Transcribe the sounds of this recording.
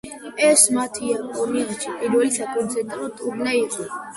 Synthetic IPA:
ɛsmat̪ʰiakʼɔmiat͡ʃʰipʼiɾwɛlisakʼuɾzʰɛt̪ʼɾɔt̪ʼubnaiχɔ

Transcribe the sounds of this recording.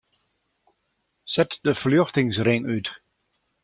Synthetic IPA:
sɛtdəfljøxtɪŋsrɪŋyt

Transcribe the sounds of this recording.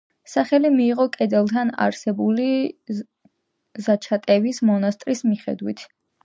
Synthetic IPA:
saχɛlimiːʁɔkʼɛd̪ɛlˠt̪ʰana̰ɾsɛbuli | zat͡ʃʰat̪ʼɛvismɔnast̪ʼɾismiχɛ̰d̪wit̪ʰ

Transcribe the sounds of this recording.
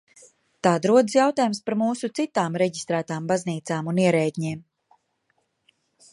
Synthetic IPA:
t̪aːd̪ɾuɔd̪sjawt̪aːjumspaɾmuːsut̪sit̪aːmɾɛɟist̪ɾæːt̪aːmbazniːt̪saːmuniɛɾɛːd̪ʲɲiːm

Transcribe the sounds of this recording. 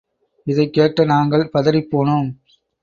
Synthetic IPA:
ɪðɐɪkːeːʈːɐnaːŋɡɐɭpɐðɐɾɪpːoːɳoːm

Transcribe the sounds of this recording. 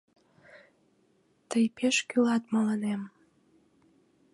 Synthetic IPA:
t̪əjpeʃkylɑt̪mələnem

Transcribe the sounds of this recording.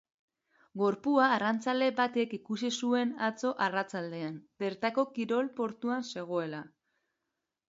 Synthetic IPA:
ɡo̞ɾpuaːrant͡sald̪e̞bat̪ekikusisue̞nat͡so̞ʔarat͡sald̪e̞anbe̞ɾt̪ako̞kiɾo̞lpo̞ɾt̪uanse̞ɣ̞o̞e̞la

